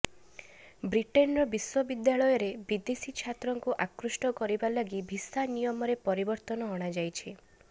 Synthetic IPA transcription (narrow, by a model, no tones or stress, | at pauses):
bɾiʈenɾɔbiswɔbid̪jaɭɔjɔɾebid̪esit͡ʃʰat̪ɾɔŋkuʔakɾusʈɔkɔɾibalaɡibʱisanijɔmɔɾepɔɾibɔɾt̪ɔnɔɔɽ̃ad͡ʒajt͡ʃʰi